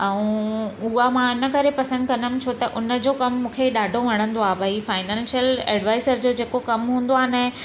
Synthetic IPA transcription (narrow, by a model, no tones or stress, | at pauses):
ɛ̃ũʊamãɪnə̆kɐɾepɐsə̃nd̪̚kɐnəmɪ̆t͡ɕʰot̪ɐʔʊnə̆d͡ʑoːkɐmːũːkʰeiɗaːɖʱoʋɐɽ̃ə̃nd̪oaːbʱɐɦifaːɪnãːnʃjəlɛ̰ːɖʋaːɪzəɾd͡ʑoːd͡ʑeːkokɐmɦũːn̆d̪oaːɦnɐ